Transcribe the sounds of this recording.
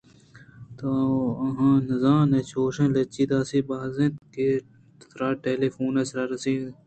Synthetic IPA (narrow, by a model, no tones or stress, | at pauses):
t̪ɐɐɦãːnɐzãːnɐt͡ɕoːʂẽlɐt͡ɕiːt̪aːsibaːzẽt̪ke | t̪ɾaːʈeːleːfoːnɐsɾaːɾɐsi